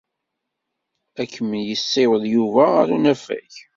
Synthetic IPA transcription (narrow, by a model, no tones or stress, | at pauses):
ækːəmənjəsːewəðjuvæaɾunæfæ̰ç